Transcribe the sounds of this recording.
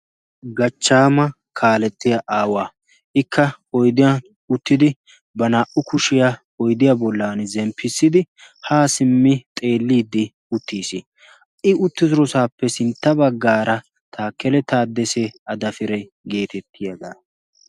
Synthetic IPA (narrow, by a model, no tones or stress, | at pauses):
ɡɐt͡ʃːaːmɐ | kʰaːlɛt̪ːɪjɐʔaːwaː | ʔɪkʰːɐ | ɔjd̪ɪjɐ | ʊt̪ːɪd̪ɪ | bɐnaːʔʊkʊʃɪja | ɔjd̪ɪjabɔlːaːnzɛmpʰːɪsːɪd̪ɪ | haːsɪmːɪt̪ʼe̞ːlːiːd̪ːɪ | ʊt̪ːiːsi | ʔɪʊt̪ːɪzʊɾɔsaːpːɛsɪnt̪ːɐbɐɡːaːɾɐ | t̪ʰaːkːɛlɛt̪aːd̪ːɛseɐd̪ɐfɪɾɛj | ɡe̞ːt̪ɛt̪ʰːɪjɐd̪aː